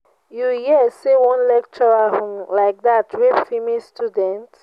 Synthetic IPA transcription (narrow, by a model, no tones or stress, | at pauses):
jujisewɔ̃nlɛk̚t͡ʃɔɹaɦɔ̃mlaɪk̚datʰwɛbfimistʰudɛ̃nt